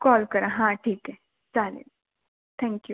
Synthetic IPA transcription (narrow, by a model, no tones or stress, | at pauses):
kɔːlkɐɾãɦãʈʰiːkɦɛ | t͡saːlḭ | t̪ʰɛ̃ŋkju